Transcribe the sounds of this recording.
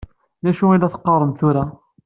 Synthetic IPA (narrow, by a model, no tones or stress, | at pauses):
læʃuid̪æθə̥qːɑrˤːənθuɾa